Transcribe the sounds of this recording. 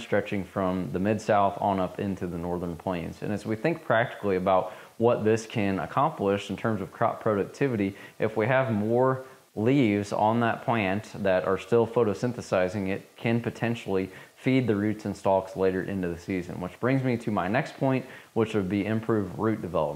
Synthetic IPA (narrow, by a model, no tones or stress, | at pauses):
stɹ̥ɛt͡ʃɪ̃ŋfɹʌ̃mðɨmɪdsaʊθnʌpɪ̃ntʰʉðənɔɹðə̃˞npʰl̥ẽɪ̃nzɨ̰̃nɨzwiθɪ̃ŋk̚pʰɹ̥æk̚tɨ̥klˠiɨbaʊt̚ | wʌt̪̚ðɪskʰɨ̃nə̰kʰɑ̃mplɪʃn̩tʰɜ̃˞mzʌv̥kʰɹ̥ɑ̰ppʰɹ̥oʊɾɨk̚tʰɪvɨɾiʔɨfwiɨvmɔɹ | livzn̩ðət̚pʰl̥æ̃nðɨɾʔə̰˞stɪlˠfoʊɾoʊsɪ̃nθɨsaɪzɪ̃ŋɪt̚kʰɨ̃npɨtʰɛ̃nʃl̩ˠifid̪̚ðɨɹʉtsɨ̃nstɑksleɪɾə˞ʔɪ̰̃ntʉðɨsizɨ̰̃nwət͡ʃb̥ɹɪ̃ŋzmiɾɨmaɪnɛkspʰɔ̃ɪ̃nʔwət͡ʃwɨd̚biʔɨ̃mpʰɹ̥ʉvdɹʉt̚d̥ɨvɛlˠəp̚